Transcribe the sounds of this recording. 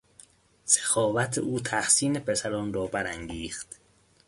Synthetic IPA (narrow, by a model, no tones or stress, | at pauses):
se̥xɒːvæt̪ʰeʔuːt̪ʰæxsiːnepʰesæɾɒnɾɒːbæɾæŋɡiːxt̪